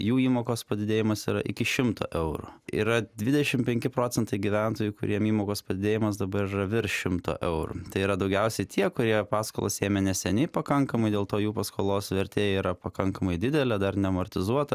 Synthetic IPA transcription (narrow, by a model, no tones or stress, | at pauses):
juːiːmoːkoːspɐd̪ʲɪd̪ʲeːjɪmɐsḭːɾɐ̰ʔɪkʲɪʃʲɪmt̪o̰ːʔɛʊɾʊ̰ḭɾɐd̪ʲʋʲɪd̪ʲɛʃʲɪmpʲɛŋʲkʲɪpɾoːt͡s̪ʲɛnt̪ɐɪɡʲiʋʲænt̪oːjʊkʊɾʲiɛmiːmoːkoːspɐd̪ʲɪd̪ʲeːjɪmɐs̬d̪ɐbɐɾɪrɐʋʲɪɾʃʲɪmt̪o̰ːʔɛʊɾʊ̰t̪ɐɪiːɾɐd̪ɐʊɡʲɛʊsʲɛɪt̪ʰʲiɛkʊɾʲiɛpɑːsko̰ːlˠɐ̰seːmʲɛnʲɛsʲɛnʲɪpɐkɐŋkɐmɐɪd̪ʲeːlˠt̪oːjuːpɐskoːlˠoːsʋʲɛɾʲt̪ʲeːjɛiːɾɐpɐkɐŋkɐmɐɪd̪ʲɪd̪ʲɛlʲɛd̪ɐrnʲɛmorʲt̪ʲɪzuɔt̪ɐ